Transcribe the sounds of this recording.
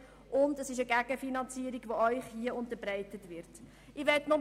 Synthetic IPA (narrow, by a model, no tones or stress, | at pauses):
ʔʊndəsɪʃəɡæɡ̥əfinɑnt͡siəɾiɡ̥ʋoœʏχhiəʊntəbɾɛɪtətvɪɾt | ɪʋɛtnʊm